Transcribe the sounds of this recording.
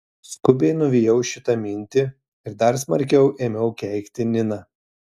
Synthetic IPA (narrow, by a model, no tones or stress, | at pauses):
skʊbʲɛɪnʊʋʲijɛʊʃʲɪt̪ɐmʲɪnʲt̪ʲɪ | ɪɾd̪ɐɾsmɐɾʲkʲɛʊʔeːmʲɛʊkʲɛɪkʲt̪ʲɪnʲɪnɐ